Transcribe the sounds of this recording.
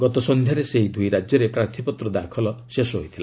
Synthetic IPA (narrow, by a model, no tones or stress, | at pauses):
ɡɔt̪ɔsɔnd̪ʱjaɾeseɦid̪ʱujɾad͡ʒjɔɾepɾaɾt̪ʰipɔt̪ɾɔd̪akʰɔlɔsesɔɦojt̪ʰila